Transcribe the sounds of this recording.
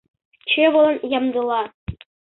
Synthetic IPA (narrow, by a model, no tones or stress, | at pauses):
t͡ɕeʋɤlˠɤ̆njɑmd̪ɤlˠɑ